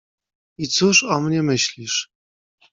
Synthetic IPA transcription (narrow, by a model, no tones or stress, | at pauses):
it͡suʂɔmnʲemɘɕlʲiʂ